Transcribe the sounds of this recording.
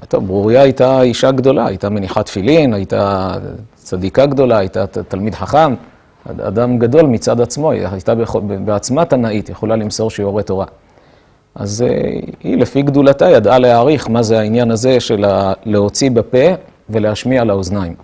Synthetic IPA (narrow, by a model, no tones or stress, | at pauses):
t̪o̞vbʁuʁijaːjtaiʃaɡd̪o̞la̰a̰jtame̞niħat̪filinajita̰ | t͡sadikaɡd̪o̞laajt̪at̪almid̪ħaχam | a̰a̰damɡad̪o̞lmit͡sadat͡smo̞ajt̪abeχobeat͡smatanait̪jeχolalimso̞ʁʃioʁet̪o̞ʁa | ʔa̰zḛhḭlefiɡd̪ulatajad̪ʔaleaːʁiχmazeainjanaze̞ʃe̞laleo̞t͡sibape̞ | ve̞le̞aʃmiaalaoznaim